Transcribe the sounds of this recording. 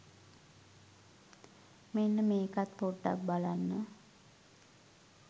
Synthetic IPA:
menːəmeːkat̪̚poɖːa̰k̚balanːə

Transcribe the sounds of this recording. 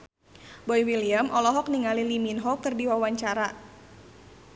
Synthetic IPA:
bɔjwiliəmʔɔlɔɦɔk̚niŋaliliminɦɔk̚t̪ərdiwawaɲt͡ʃaɾa

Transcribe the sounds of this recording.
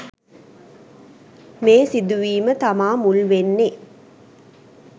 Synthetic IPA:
meːsɪd̪ɯʋiːmɐt̪ɐmaːmʊlʋenːe

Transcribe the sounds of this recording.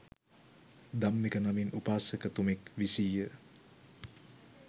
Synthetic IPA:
d̪amːekənaminupaːsəkət̪umekʋisiːjə

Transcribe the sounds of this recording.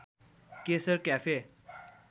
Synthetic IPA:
kesəɾkjafe

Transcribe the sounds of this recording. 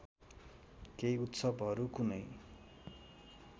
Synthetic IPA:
kejut̪sʌbɦʌɾukunʌj

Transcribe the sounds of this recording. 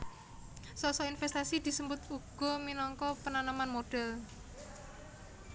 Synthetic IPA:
sɔsɔinfɛst̪asid̪̥i̤səmbʊt̪uɡ̥ɔ̤minɔŋkɔpənanamanmoɖ̥ɛl

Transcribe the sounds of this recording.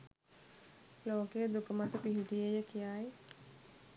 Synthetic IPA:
loːkeːd̪ukəmat̪əpiɦiʈijejəkijaːj

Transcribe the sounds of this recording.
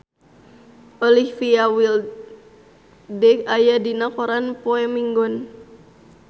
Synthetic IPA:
ʔɔlifiawil | dɛkajadinakɔɾanpɔɛmiŋɡɔn

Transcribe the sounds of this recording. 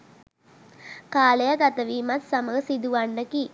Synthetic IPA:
kaːlejɐɡɐt̪ɐʋiːmɐt̪sɐmɐɡɐsid̪uʋɐɳɖɐki

